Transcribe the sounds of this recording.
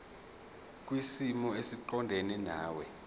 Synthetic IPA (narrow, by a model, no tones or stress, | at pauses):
k̬ʼwisimɔesiǃɔndʱenɛnaːwɛ